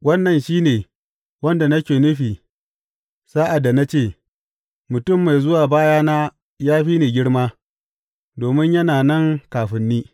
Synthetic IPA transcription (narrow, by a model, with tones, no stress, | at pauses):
wɐ˦nːɐ˨nʃiː˦neː˨ | wɐ˦nda˨na˦kʲeː˨nʊ˦ɸiː˨ | saː˦ʔa˨dːa˨na˦t͡ʃeː˦˨ | mʊ˨tʊ˦˨mːa˨jzʊ˦waː˨baː˦jaː˦naː˦ | jaː˦ɸiː˦neː˨ɡʲɪ˦ɽmaː˦ | doː˨mɪ˦ɲjɐ˦naː˨nɐ˦˨ŋkaː˨ɸɪ˦nːiː˦